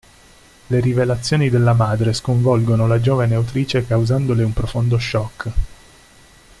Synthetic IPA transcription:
leɾivelat̪sːjoːnid̪elːamaːd̪ɾeskoɱvɔlɡonolad͡ʒoːvaneawt̪ɾiːt͡ʃekawzand̪oleumpɾofond̪oʃːɔkː

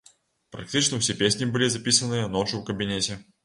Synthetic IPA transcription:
pɾɐ̰k̚tʲit͡ɕnəfsʲepʲesʲnʲɪbɨlʲizɐpʲisənːɨjənot͡ʂʊvkəbʲɪnʲetʲɪ

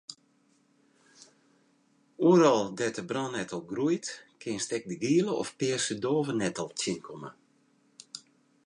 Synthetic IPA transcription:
uəɾɔlˠdɛtəbrɔnɛtɔlˠɡrujtkʰɪnstɛk̚dəɡiəlˠəɔ̰fpɪəsədoːvənɛtɔlˠtjɪnkʰɔmə̰

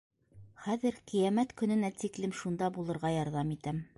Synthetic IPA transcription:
χæðɘɾqĭjæmæt̪kɵ̆nɘ̆næt̪iklɘmʃund̪ɑbulˠɤ̆ɾʁɑjɒɾðɑmit̪æm

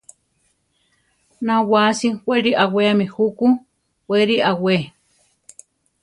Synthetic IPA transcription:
nãwasiwʷeɾiʔaweamĩhuku | wʷeɾiʔawe

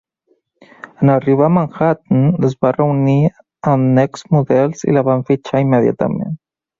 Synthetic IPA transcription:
ənariβ̞amaŋxat̪nəzβarəuni | əmnɛksmuðɛlˠzḭlaβaɱfit͡ʃaiməðja̰t̪a̰mḛ̃n

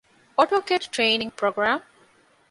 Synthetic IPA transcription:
ɔʈoːkeʈʈɾeːnĩŋɡpɾoːɡɾaːm

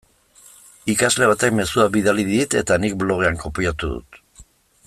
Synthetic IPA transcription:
ikazle̞β̞at̪ekme̞suaβiðaliðit̪e̞t̪anik̚blo̞ɣe̞aŋko̞piat̪uðṵt̪

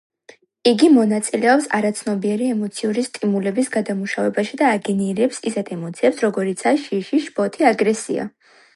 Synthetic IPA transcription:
iɡimɔnat̪sʼilɛɔpsa̰ɾat̪sʰnɔbiɛɾiɛmɔt̪sʰiuɾist̪ʼimulɛbisɡad̪amuʃavɛbaʃid̪aːɡɛniɾɛpsisɛt̪ʰɛmɔt̪sʰiɛpsɾɔɡɔɾit̪sʰaʃiʃiʃpʼɔt̪ʰiaɡɾɛsḭa̰

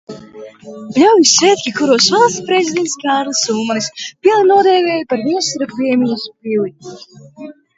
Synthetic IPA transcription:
blʲawjisɛt̪ʲkʲikuɾɔsvalˠspɾezʲid̪ʲɛnt̪skaːɾlˠasuːmaɾispʲiɛlˠinuɔd̪ɛːvʲɛːjpaɾviɛsɾakviɛmʲijaspilˠi

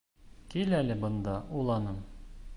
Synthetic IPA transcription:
kilælɘbɤ̆nd̪ɑʔulˠɑnɤm

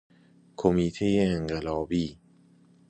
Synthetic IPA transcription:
kʰomit̪ʰeeŋɡəlɔːbi

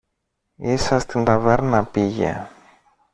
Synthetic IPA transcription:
isɐst̪ind̪ɐveɾnɐpiʝḛ

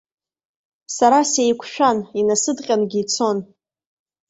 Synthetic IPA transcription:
saɾasejkʷʰʃᶣaninasɨdqʲʼanɡʲit͡sʰo̞n

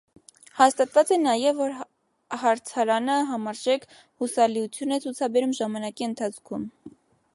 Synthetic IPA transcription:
hɑst̪ɑt̪vɑt͡sɛnɑjɛvːɔɾ | hɑɾt͡sʰɑɾɑnəɦɑmɑɾʒɛkʰ | husɑliut͡sʰjunɛt͡sʰut͡sʰɑbɛɾumʒɑmɑnɑkiənt̪ʰɑt͡sʰkʰum

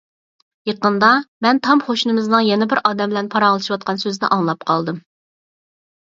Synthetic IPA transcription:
jeqənd̪ɑmɛnt̪ʰɑmχoʃunɨmɨznɨŋjɛnɛbɪɾɑːd̪ɛmbɪlɛnpʰɑɾɑlˠɨʃiwɑt̪̚qʰɑnsøznɪ̰ʔɑŋlˠɑp̚qʰɑlˠd̪ɨm

